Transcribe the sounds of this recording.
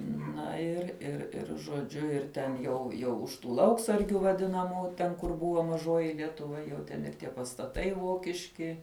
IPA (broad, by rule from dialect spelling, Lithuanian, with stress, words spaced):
ˈnɐ ɪr ɪr ˈɪr ʒoːˈd͡ʒʲʊ ɪr tʲɛn jɛʊ ˈjɛʊ ʊʃ ˈtuː ˈlˠɐʊksɐrʲɡʲʊ ʋɐˈdʲɪnɐmuː ˈtʲɛn kʊr ˈbʊʋoː mɐˈʒoːjɪ lʲiɛtʊˈʋɐ jɛʊ ˈtʲɛn ɪr ˈtʲiɛ pɐstɐˈtɐɪ ˈʋoːkʲɪʃʲkʲɪ